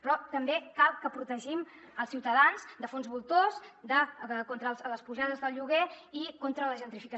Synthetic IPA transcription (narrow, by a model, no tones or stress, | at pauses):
pɾɔt̪əmbekalˠkəpɾut̪əʒim | əlˠsiwt̪əðanzd̪əfonzβulˠt̪ozd̪əkont̪ɾəlˠzləspuʒaðəzðəlˠʎuɣ̞eikont̪ɾələʒənt̪ɾifikə